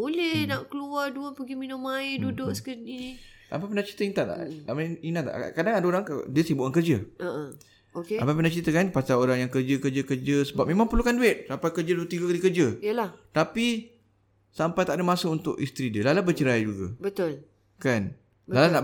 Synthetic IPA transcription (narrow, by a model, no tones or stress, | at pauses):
bolɛhnaʔkəluarduəpəɡiminʊmaɪdudʊʔskənini | a̰mpapəndat͡ʃi̥t̪əiŋt̪aʔt̪a̰ʔaminat̪a̰ʔkadaŋadaoɾaŋka̰diəsibuʔkankərd͡ʒəəʔə | okeapajp̬əndat͡ʃɾit̪əkanpasaoɾaŋjaŋkərd͡ʒəkəd͡ʒəkərd͡ʒəsəbap̚mẽmãŋpərlukanduɪt̪̚sampajkərd͡ʒəduət̪iɡakalikərd͡ʒəiəlaht̪api | sampajt̪aʔdəmasəunt̪ʊ̰ʔist̪ɾidiəlalabət͡ʃəɾad͡ʒuɡa̰bət̪ʊl | kan | blalanaʔ